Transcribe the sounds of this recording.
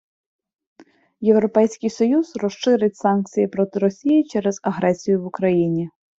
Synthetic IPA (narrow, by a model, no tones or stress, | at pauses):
jewɾɔpɛjsʲkɪjsɔjuzrɔʃʃɪɾɪtʲsɑnk̚t͡sʲijipɾɔt̪ɪɾɔsʲijɪt͡ʃɛɾɛzɐɦɾɛsʲijʊwʊkɾɐjinʲi